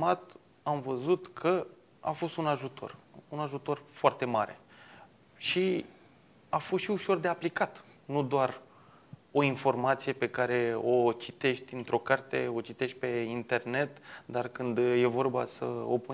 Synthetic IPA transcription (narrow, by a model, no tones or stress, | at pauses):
mat̪ | amvəzut̪kʰə | a̰fo̞st̪unaʒut̪ʰo̞̰runaʒut̪o̞rfoart̪e̞maɾe̞̰ | ʃi | afost̪ʃiuʃo̞rd̪e̞aplikat̪ | nud̪oar | o̞info̞rmat̪sije̞pe̞kaɾe̞o̞t͡ʃit̪e̞ʃt̪ʲɨnt̪ɾo̞kart̪e̞o̞t͡ʃit̪e̞ʃt̪̚ʲpe̞int̪e̞rne̞t̪d̪arkɨnd̪je̞vo̞rbasə̰o̰pu